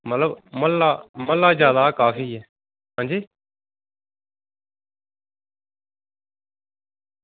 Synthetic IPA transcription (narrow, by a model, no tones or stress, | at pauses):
mət̪ləbməlaːməlːaːzjaːd̪aːkaːfiːɛː | ɦãːnd͡ʒiː